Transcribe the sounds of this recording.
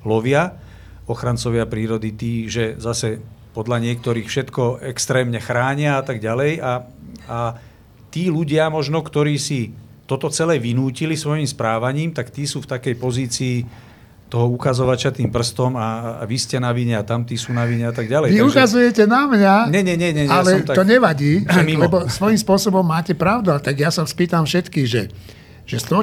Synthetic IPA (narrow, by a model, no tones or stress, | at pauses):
lɔʋɪa | ɔxɾant͡sɔʋɪapɾiːɾɔd̪it̪iːʒɛzasɛpɔd̪ʎaɲɪɛk̚t̪ɔɾiːxfʃɛt̪kɔɛkst̪ɾɛːmɲɛxɾaːɲɪaat̪aɡɟalɛjaa | t̪iːluɟɪamɔʒnɔkt̪ɔɾiːsi | t̪ɔt̪ɔt͡sɛlɛːʋinuːcilisʋɔjimspɾaːʋaɲiːmt̪akt̪iːsuːft̪akɛjpɔziːt͡siː | t̪ɔɦɔukazɔʋat͡ʃat̪iːmpr̩st̪ɔma̰ʋiscɛnaʋiɲɛat̪amt̪iːsuːnaʋiɲɛat̪aɡɟalɛjʋiukazujɛcɛnamɲaɲɛɲɛɲɛɲɛɛaalɛɔmt̪at̪ɔɲɛʋaɟiːamilɛbɔsʋɔjimspʊɔsɔbɔmːaːcɛpɾaʊd̪uat̪aɡjasaspiːt̪amfʃɛt̪kiːɣʒɛ | ʒ̥ɛst̪ɔ